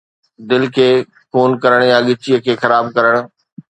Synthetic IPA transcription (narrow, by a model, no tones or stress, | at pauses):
d̪ɪlkʰeː | koːnkɐɾəɽ̃jãɠɪt͡ɕijəkʰeːxɐɾaːbkɐɾəɽ̃